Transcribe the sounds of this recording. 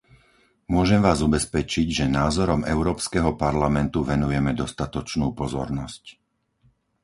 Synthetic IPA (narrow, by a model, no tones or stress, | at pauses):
mʊɔʒɛmʋaːzubɛspɛt͡ʃiɟʒɛnaːzɔɾɔmɛʊɾɔːpskɛɦɔpaɾlamɛnt̪uʋɛnujɛmɛd̪ɔst̪at̪ɔt͡ʃnuːpɔzɔ̰ɾnɔsc